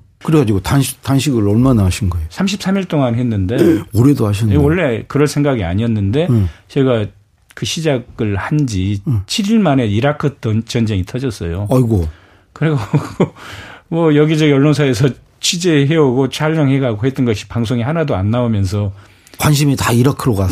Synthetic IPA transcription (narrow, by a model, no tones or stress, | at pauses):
kɯɾeɡad͡ʑiɡotanɕtanɕʰiɡɯɭʌɭmanaaɕʰinɡʌeosʰamɕ̬ʰip̚s͈ʰamiɭt͈oŋanɦe̞nːɯnde̞oɾedohaɕʰinwʌɭːe̞kɯɾʌɭsʰe̞ŋɡaɡia̰ɲiʌnːɯnde̞t͡ɕeɡa | kɯɕʰid͡ʑaɡɯɭhand͡ʑit͡ɕʰiɾiɭmane̞iɾakʰɯtt͡ɕʌnd͡ʑe̞ŋitʰʌd͡ʑʌs͈ʌjoaiɡo | kɯɾiɡoɡomʌjʌɡid͡ʑʌɡiʌɭːonsʰaesʰʌ | t͡ɕʰid͡ʑeɦeoɡot͡ɕʰaʎːʌŋɦe̞ɡaɡohe̞t͈ʌnɡʌɕʰi̥paŋs̬ʰoŋihanadoanːaomjʌnsʰʌ | kwanɕ̬ʰimitaiɾakʰɯɾoɡa